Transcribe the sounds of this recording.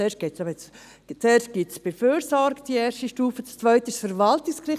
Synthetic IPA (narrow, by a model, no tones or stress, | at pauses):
eːʃt̚ɡ̥etsɑbɛt͡s | t͡sɛːɾʃt̚ɡ̥itsb̥eføːɾsɔɾktd̥ieːɾʃtiʃtuːfət͡st͡svœʏtəɪʃsfəɾvaltɪkskrɪ